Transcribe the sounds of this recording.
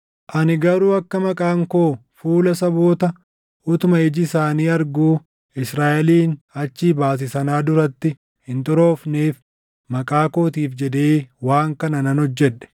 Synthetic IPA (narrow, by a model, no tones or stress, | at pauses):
ʔɐnɪɡɐɾuːɐkːɐmɐkʼaːŋkoːfuːlɐsɐbo̞ːt̪ɐ | ʔʊt̪ʊmɐɪd͡ʒɪsaːniːɐɾɡuː | ɪsɾaːʔɛliːnɐt͡ʃːiːbaːs̬ɪsɐnaːd̪ʊɾɐt̪ːɪ | hɪnt̪ɔɾo̞ːfneːf | mɐkʼaːko̞ːt̪̬iːfd͡ʒɛd̪eːwaːŋkɐnɐnɐnhɔd͡ʒːɛᶑɛ̥